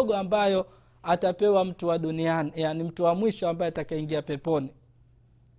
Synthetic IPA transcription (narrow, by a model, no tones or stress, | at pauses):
ɠɔambajɔ | atapɛwam̩tuwaɗunianijanim̩tuwamwiʃɔambajɛatakaiŋɡiapɛpɔni